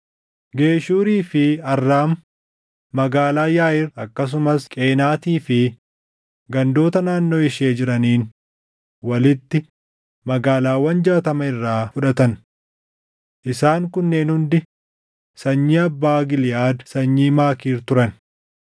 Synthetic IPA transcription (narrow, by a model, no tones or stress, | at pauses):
ɡe̞ːʃuːɾiːfɪɐrːaːmː | ɐɡaːlaːjaːjɪrɐkːɐs̬ʊmɐskʼe̞ːnaːt̪iːfɪ | ɡɐnd̪o̞ːt̪ɐnaːnːo̞ːɪʃeːd͡ʒɪɾɐniːn | wɐlɪt̪ːɪ | mɐɡaːlaːwɐnd͡ʒɐɐt̪ɐmɐɪrːaːfʊᶑɐt̪ɐn | ʔɪsaːŋkʊnːeːnhʊnd̪ɪ | sɐɲːiːɐbːaːɡɪljaːd̪sɐɲːiːmaːkiːɾt̪ʊɾɐn